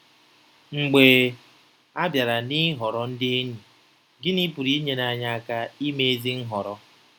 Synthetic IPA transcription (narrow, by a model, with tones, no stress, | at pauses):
ŋ͡m̩˨ɡ͡beː˨ | a˦bja˨ɾa˨nɪ˦ɦɔ˨ɾɔ˨n̩˦dɪ˦e˦nu˨ | ɡɪ˦ni˦pu˨ɾi˦i˦ɲe˦na˨ɲa˦a˦˨ka˦i˦me˦e˦zi˦n̩˦ɦɔ˨ɾɔ˦